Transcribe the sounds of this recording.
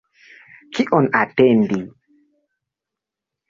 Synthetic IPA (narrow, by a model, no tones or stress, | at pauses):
kiʔɔnatɛndi